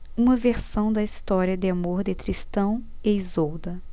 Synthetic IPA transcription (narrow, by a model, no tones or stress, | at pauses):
ũmɐveɾsɐ̃w̃d̪ɐist̪ɔɾiɐd̪ɪamoɾd̪ɪt̪ɾist̪ɐ̃w̃eizowd̪ɐ